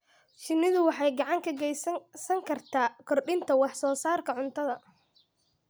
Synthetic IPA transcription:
ʃɪnːɪðʊwɑħɑjɡɑʕɑŋkʰɐɡɛjssɐŋkʰɐrt̪ʰaːkʰɔrɗɪnt̪ʰɐwɑħsɔːsaːrkʰɐʕʊnt̪ʰɐðɐ

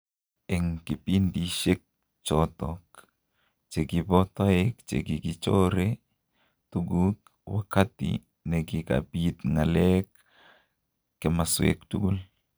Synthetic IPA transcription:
eŋkipind̪iʃek̚ | t͡ʃot̪ok | t͡ʃeɡibot̪oek̚t͡ʃḛɡiɡit͡ʃoɾe | t̪uɡuk̚ | wakat̪ḭ | neɡika̰pit̪ŋalek̚ | emaswḛkt̪uɡul

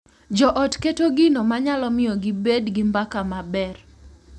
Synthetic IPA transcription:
d͡ʒɔʔɔtketoɡinomaɲalɔmɪjɔɡibedɡimbakamabɛr

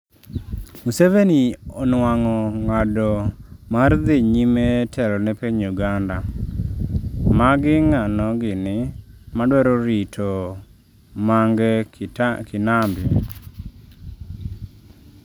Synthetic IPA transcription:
museveniɔnwaŋɔŋadɔmard̪ɪɲimetʰɛlɔnɛpeɲuɡanda | maɡɪŋanɔɡɪnɪmadwɛɾɔɾitʰɔ | maŋɡɛ | kɪnambjɔ

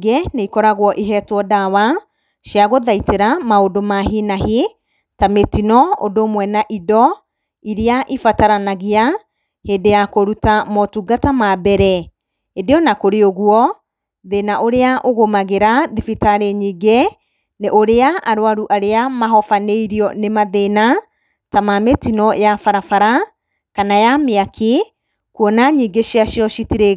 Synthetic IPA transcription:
ɡeneikɔɾaɣwɔʔiɦɛtwɔdawa | ʃiaɣoðaiteɾamaodomaɦinaɦi | tametinɔo̰domwɛnaʔidɔ | iɾeaʔifataɾanaɣia | heːdejakoɾutamɔtuɡatamabɛɾɛ | edeɔnakoɾeoɣwɔ | ðenaʔoɾeaʔoɣomaɣeɾaðifitaɾeɲiːɡe | neʔoɾeaʔaɾowaɾuʔaɾeamaɦɔfaneiɾiɔnemaðena | tamametinɔjafaɾafaɾa | kanajameakʰi | kɔnaɲiɡeʃiaʃiɔʃitiɾe

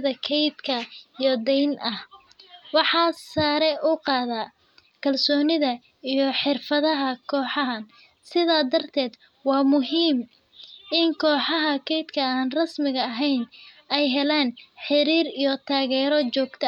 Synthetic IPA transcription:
ðɐkʰɛjd̪kʰɐijɔd̪ɛjnʔɐh | wɑħɑːsaːɾɛʔʊqɑːðaː | kʰɐlsɔːnɪðɐ | ijɞħɪrfɐðɐɦɐkʰɔːħɑɦɐn | sɪðaːd̪ɐrt̪ʰɛːd̪ | wɑːmʊɦiːm | ʔɪŋkʰɔːħɑɦɐkʰɛjd̪kʰɐaːnrɐsmɪɣɐːɦɛjn | ɛjɦɛlaːnħɪɾiːɾijɔt̪ʰaːɣɛːɾɔt͡ʃɔːɡt̪ʰɐ

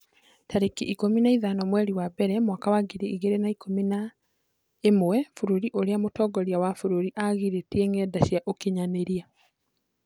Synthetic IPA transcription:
taɾekiʔikominaiðanɔmwɛɾiwabɛɾɛmwakawaɡiɾiiɣeɾenaikʰomina | emwɛfuɾuɾiʔoɾeamotɔːɡɔɾjawafuɾuɾiʔaɣiɾeteeŋɛːdaʃjaʔokiɲaneɾia

